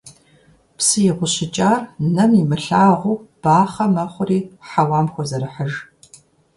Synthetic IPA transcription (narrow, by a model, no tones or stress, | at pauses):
psɨjɛʁʷʊɕɪt͡ʃʼaːrnɐmimɨɬaːʁʷuːb̥aːχɐmɐχʷʊriːħawaːmxʷɔzɐɾɨħəʒ